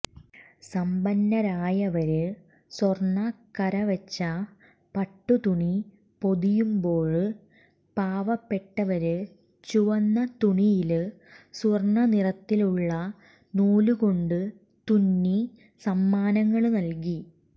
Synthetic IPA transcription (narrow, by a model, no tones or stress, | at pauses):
sɐmbɐnːɐɾaːjɐʋɐɾɨ | sorɳːɐkɐɾɐʋɐt͡ɕːɐ | pɐʈːut̪uɳi | po̞ðijumbo̞ːɻ | paːʋɐpːe̞ʈːɐʋɐɾɨ | t͡ɕuʋɐnːɐt̪uɳijil | sorɳɐnirɐt̪ːiluɭːɐ | nuːluko̞ɳɖɨ | t̪unːi | sɐmːaːnɐŋːɐɭnɐlk̬i